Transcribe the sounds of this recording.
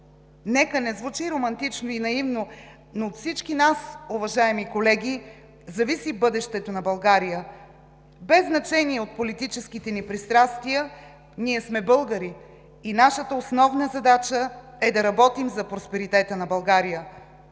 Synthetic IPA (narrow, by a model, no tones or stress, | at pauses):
nɛkənɛzvut͡ʃiɾomɐnt̪it͡ʃnoinɐivno | noːt̪fsit͡ʃkinasʊvɐʒaɛmikolɛɡʲi | zɐvisibɤd̪ɛʃt̪ɛt̪onɐbɐlˠɡaɾijə | bɛzːnɐt͡ʃɛniɛot̪̚polit̪it͡ʃɛskit̪ɛnipɾist̪ɾast̪vijə | niɛsmɛbɤlˠɡəɾiː | naʃət̪əosnɔvnəzɐd̪at͡ʃə | ɛd̪ɐɾɐbɔt̪imzɐpɾospɛɾit̪ɛt̪ənɐbɐlˠɡaɾijə